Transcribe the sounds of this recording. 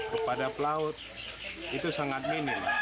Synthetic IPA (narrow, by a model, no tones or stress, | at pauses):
kəpadapəlaʊt̪̚ | it̪usaŋat̪̚minɪm